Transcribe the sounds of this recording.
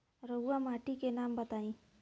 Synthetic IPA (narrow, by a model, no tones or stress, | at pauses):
ɾəamaʈikenambət̪aĩ